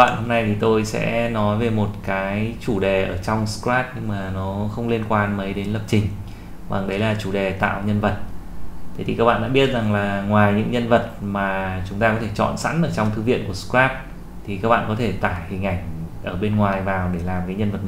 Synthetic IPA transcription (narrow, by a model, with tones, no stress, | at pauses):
ɓa̰ː˧˨nho˧mna˧jt̪ʰi˨˩t̪o˧jsɛ̰˧˥nɔ˨˦jve˨˩mo˨˩t̚kaː˨˦jt͡ɕu˧˩ɗe˨˩ʔəː˧˩t͡ɕɔ˧wŋ͡mskɾaː˦˥p̚ɲɨ˧ŋmaː˨˩nɔ˨˦xə˧wŋ͡mli˧ənkwaː˧nmə˨˦jɗe˨˦nlə˨˩p̚t͡ɕï˨˩ŋ̟ | va̰˨˩ŋɗə˨˦jlaː˨˩t͡ɕu˧˩ɗe˨˩t̪a̰ː˧˨wɲə˧nvə˨˩t̪̚ʰ | t̪i˨˩kaː˦˥k̚ɓa̰ː˧˨ɗa̰ː˧ɓi˦˥ət̚za˨˩ŋlaː˨˩ŋwaː˨˩jɲɨ̰˧˥ŋɲə˧nvə˨˩t̚maː˨˩t͡ɕʊ˨˦ŋ͡mt̪aː˧kɔ˨˦t̪ʰe˧˩t͡ɕɔ̰˧˨nsa̰˧˥nʔəː˧˩t͡ɕɔ˧wŋ͡mt̪ʰɨ˨˦vḭ˧˨ənku˧˩əskɾaː˦˥p̚ | t̪ʰi˨˩kaː˦˥k̚ɓa̰ː˧˨ŋkɔ˨˦t̪ʰe˧˩t̪aː˧˩jhï˨˩ŋ̟ʔa˧˩jŋ̟ʔəː˧˩ɓe˧nŋwaː˨˩jvaː˨˩wɗe˧˩laː˨˩mkaː˨˦jɲə˧nvə˨˩t̚